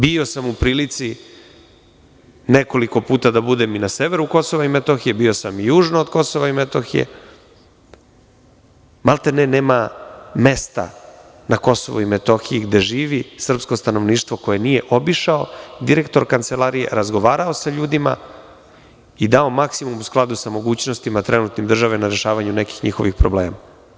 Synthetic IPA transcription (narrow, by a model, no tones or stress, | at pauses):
bio̞samupɾiːlit̪si | neko̞liko̞puːt̪ad̪abud̪eminaseʋeɾuko̞so̞ʋaimet̪oxijebio̞samjuːʒnoːd̪ko̞so̞ʋaimet̪oxijḛ | malˠt̪aneneːmame̞st̪a̰ | nako̞so̰ʋoimet̪oxijiɡd̪e̞ʒiːʋisr̩psko̞st̪ano̞ʋniːʂt̪ʋo̞ko̞je̞nije̞ʔo̞biʃao̞d̪iɾekt̪o̞ɾkant̪selaɾijḛɾazɡo̞ʋaːɾaosaʎuːd̪ima̰ | id̪ao̞maksimumusklˠad̪usamo̞ɡuːt͡ɕnost̪imat̪ɾenut̪nimd̪r̩ʒaʋenaɾeʃaːʋaɲuneki̥xɲixo̞̰ʋixpɾoblḛːma